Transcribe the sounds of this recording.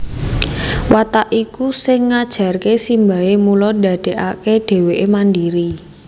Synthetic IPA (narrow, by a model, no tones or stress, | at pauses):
wat̪aʔikusɪŋːad̥ʒ̥a̤rkesimba̤emulɔda̤d̥e̤ʔakeɖ̪̥e̤weʔemandiɾi